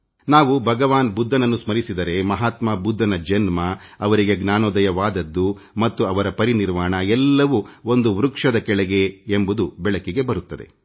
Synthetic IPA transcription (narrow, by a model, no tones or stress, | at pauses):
naːʋubʱɐɡɐʋaːnbud̪ʱːɐnɐnːusmɐɾisid̪ɐɾe̞mɐɦaːt̪mabud̪ʱːɐnɐd͡ʒɐnmɐːʋɐɾiɡe̞ɡnaːnoːd̪ɐjɐʋaːd̪ɐd̪ːu | mɐt̪ːuɐʋɐɾɐpɐɾiniɾʋaːɳɐɛlːɐʋuo̞nd̪uʋɾukʂɐd̪ɐkɛɭɛɡe̞embud̪ubɛɭɐkiɡe̞bɐɾut̪ːɐd̪e̞̰